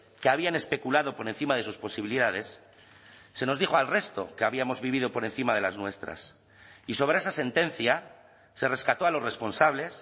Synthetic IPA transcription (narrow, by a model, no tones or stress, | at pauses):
keaβiane̞spe̞kulaðo̞po̞ɾe̞n̟θimaðe̞suspo̞siβiliðaðe̞sː | e̞no̞zðixo̞alre̞st̪o̞̰keaβiamo̞zβiβ̞iðo̞po̞ɾe̞nθimaðe̞laznwe̞st̪ɾa̰s | iso̞β̞ɾeesase̞nt̪e̞nθja | se̞re̞skat̪o̞alo̞sre̞spo̞nsaβle̞s